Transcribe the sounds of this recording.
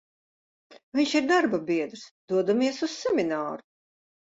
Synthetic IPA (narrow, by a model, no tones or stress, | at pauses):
viɲʃiɾd̪aɾbabiɛd̪ɾsd̪̥uɔd̪umiɛsussɛminaːɾu